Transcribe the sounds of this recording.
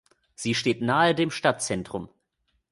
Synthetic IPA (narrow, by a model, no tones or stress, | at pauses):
z̥iːʃteːtnaːədeːmʃtatt͡sɛntʁ̥ʊm